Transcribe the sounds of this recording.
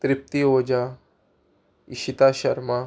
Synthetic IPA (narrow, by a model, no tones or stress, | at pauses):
t̪ɾip̚t̪iod͡ʑa | iɕit̪aɕɐɾma